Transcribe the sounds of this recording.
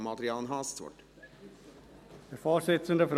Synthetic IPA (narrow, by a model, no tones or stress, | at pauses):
mɑd̪ɾɪɑːnɦɑːssʋɔ̰ʈ | əfɑːsɛt̪sənd̪əfɾ